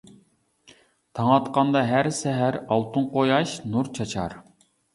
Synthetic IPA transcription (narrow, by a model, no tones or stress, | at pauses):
t̪ʰɑŋɑt̪qɑnd̪ɑɦæɾsɛɦæɾɑlˠt̪ʰunqʰojɑʃnuɾt͡ʃʰɑt͡ʃʰɑ̰ɾ